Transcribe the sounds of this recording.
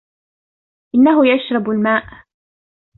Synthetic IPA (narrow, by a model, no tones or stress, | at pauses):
ʔɪnːaɦʊjaʃɾˤɑbalmaːʔ